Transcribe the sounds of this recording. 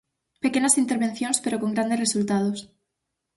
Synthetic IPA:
pe̞ke̞ɲasint̪eɾβe̞nθjo̞nspe̞ɾo̞ko̞ŋɡɾand̪ere̞sult̪að̞o̞s

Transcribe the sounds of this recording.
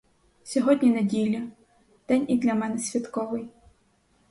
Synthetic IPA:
sʲɔɦɔdʲnʲinedʲilʲːɐ | d̪̥ɛnʲid̪lʲɐmɛnɛsʲʋʲɐt̪kɔʋɪj

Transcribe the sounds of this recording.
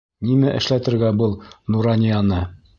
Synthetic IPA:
nimæʔɘ̆ʃlæt̪ɘ̆ɾɡæbɤlˠnuɾɑnʲijɑnɤ

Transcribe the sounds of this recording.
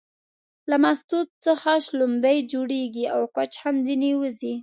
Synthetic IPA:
lamast̪ut̪̚t͡səxaʃlʊmb̪ajd͡ʒoɽeɡiawkat͡ʃhamzinewəzi

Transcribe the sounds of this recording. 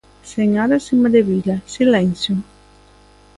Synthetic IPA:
seŋaɾasimaðeβilɐsilɛn̟θjo

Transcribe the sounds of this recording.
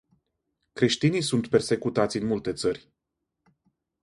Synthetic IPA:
kɾe̞ʃt̪inijsunt̪pe̞rse̞kut̪at̪sʲɨnmult̪e̞t̪sərʲ

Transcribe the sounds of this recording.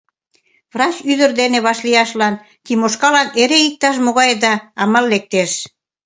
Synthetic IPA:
vrɑt͡ɕyðə̆rd̪eneβɑʃlijɑʃlɑn | k̪imoʃkɑlɑneɾeik̚t̪ɑʃ̬moɣɑjd̪ɑːmɑlːek̚t̪eʃ

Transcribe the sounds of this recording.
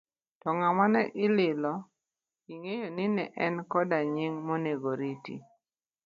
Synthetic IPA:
tɔŋamanɛʔɪlɪlɔ | iŋejonɪnɛʔɛnkɔdaɲɪŋmɔneɡoɾitḭ

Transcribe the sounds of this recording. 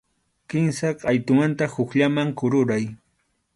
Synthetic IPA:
kɪnsaqʼajt̪ʊmant̪ahʊkʎamaŋkʊɾʊɾaj

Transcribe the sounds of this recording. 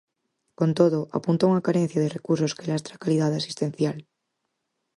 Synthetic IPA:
kont̪oðoʔa̰punt̪ouŋakaɾen̟θjaðerekuɾsoskelast̪ɾakalið̞aðasi̥st̪ẽn̟θjal

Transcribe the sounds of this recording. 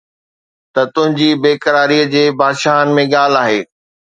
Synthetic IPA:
t̪ɐt̪ʊ̃ɦɪ̃ɲd͡ʑibeːkəɾaːɾiəd͡ʑeːbaːd̪ʃaːɦənɪ̆mẽɠaːl̤aːɦeː

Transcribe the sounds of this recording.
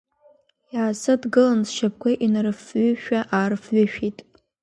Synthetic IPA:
jaːsɨdɡɨlanzʃap̚ʰkʷaʔinrfɥʏʃᶣaʔarfɥʊʃᶣitʼ

